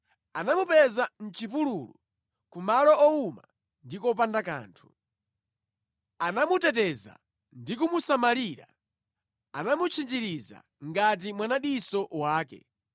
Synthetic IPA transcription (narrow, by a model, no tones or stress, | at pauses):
anamupɛzan̩t͡ʃipululṵ | kumalɔɔuma | ndikɔp̬andaka̰ːntʰu̥ | anamutɛtɛza̰ | ndikumusamaliɾa̰ | anamut͡ʃʰind͡ʒiɾiza̰ | ŋɡat̬imwanaɗisɔwaːkɛ̰